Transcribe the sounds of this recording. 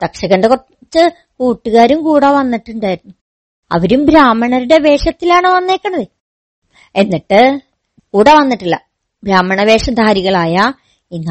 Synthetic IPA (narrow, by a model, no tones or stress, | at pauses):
t̪ɐkʂɐɣɐnɖeko | t͡ɕːɨ | kuːʈːuɣaːɾumkuːɽɐʋɐnːiʈːuɳɖaːjiɾunːu | ɐ̰ʋɐɾumbɾaːmɐɳɐɾuɽe̞ʋe̞ːʂɐt̪ːilaːɳɨʋɐnːe̞ːkːɐɳɐðɨ | e̞nːiʈːɨ | kuːɽɐʋɐnːiʈːilːɐ | bɾaːmːɐɳɐʋe̞ːʂɐd̪ʱaːɾiɣɐɭaːjɐ | iŋːɐ